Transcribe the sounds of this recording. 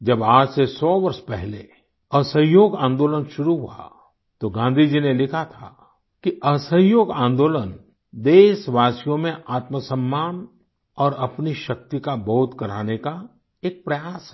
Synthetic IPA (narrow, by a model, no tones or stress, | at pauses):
d͡ʒɐbaːd͡ʒsesɔːʋɐɾʃpɛɦle | ɐsə̃joːɡãːnd̪oːlənʃʊɾuɦua̰ | t̪oɡãːnd̪ʱid͡ʒinelɪkʰat̪ʰa̰ | kiʔɐsə̃jjoːɡãːnd̪oːlən | d̪eːʃʋaːsijõmẽʔaːt̪məsə̃mːaːn | ɔːɾɐpniʃɐk̚t̪ikaboːʊt̪kɐɾaːneka | eːk̚pɾɐjaːsɦ